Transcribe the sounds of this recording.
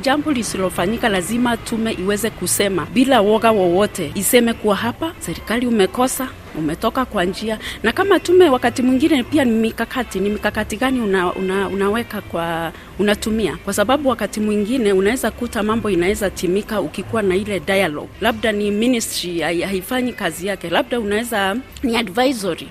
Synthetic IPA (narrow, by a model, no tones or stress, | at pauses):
d͡ʒambɔlisilɔfaɲikalazimatʰumɛʔiwɛzɛkusɛmabilawɔɣawɔwɔtɛisɛmɛkuwaɦapasɛɾikaliumɛkɔsa | ṵmɛtɔkakwand͡ʒianakamatumɛwakatimwiŋɡinɛpianimikakatinimikakatiɡaniunaṵnaṵnawɛkakwa | unatumia̰kwasaɓaɓuwakatimwiŋɡinɛunawɛzakutamambɔinawɛzatimikaukikuwanailɛdajalɔ̰ɡlab̚daniministɾiahaifaɲikazijakɛlab̚daunaɛza | niadvajzɔɾi